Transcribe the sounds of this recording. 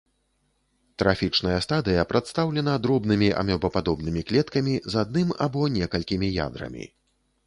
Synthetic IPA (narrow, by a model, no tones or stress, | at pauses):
t̪ɾafʲit͡ʂnɐjɐst̪ad̪ɨjɐpɾat̪st̪awlʲɛnɐd̪ɾɔbnɨmʲiʔa̰mʲɛbɔpad̪ɔbnɨmʲiklʲɛt̪kɐmʲizad̪̚nɨma̰bɔnʲɛkɐlʲkʲimʲija̰d̪ɾɐ̰mʲḭ